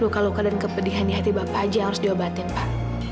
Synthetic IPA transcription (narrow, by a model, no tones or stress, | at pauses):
ukalokadankəpədiɦaniɦat̪ibapad͡ʒaaɾʊsdiwabat̪ɪnpaʔ